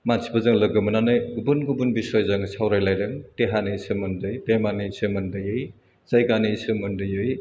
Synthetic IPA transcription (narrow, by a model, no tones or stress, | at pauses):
mansʰi̥bɐzɯŋlɐɡɯmɐnanɯjɡubunɡubunbisɔjzɐŋsʰawɾajlajɾɯŋteɦanisɯmɐndɯjtemanisɯmɐndɯjɯj | z̥ajɡanisɯmɯndɯjɯj